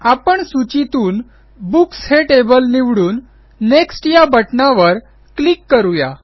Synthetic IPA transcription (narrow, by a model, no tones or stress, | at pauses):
apəɳsut͡ɕit̪uːn | buksheʈebəlniʋɽuːnː | eksʈjabəʈnaʋəɾ | klikːəɾuja̰